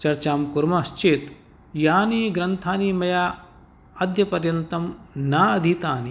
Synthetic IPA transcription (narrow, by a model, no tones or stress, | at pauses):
t͡ʃɐɾt͡ʃaːmkuɾmɐst͡ʃeːt̪ | jaːniːɡɾɐnt̪ʰaːnimɐjaː | ɐd̪ʱjɐpɐɾjɐnt̪ɐmnaːɐd̪ʱit̪aːni